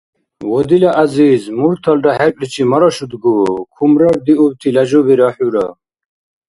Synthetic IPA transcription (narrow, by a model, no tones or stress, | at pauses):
wɔd̪ilaʔazizmuɾt̪ʰald̪ahɛɾpʼlit͡ʃʰimaɾɔʃud̪ɡukʰumɾaɾd̪iubt̪ʰilaʒɔbiɾaħuɾa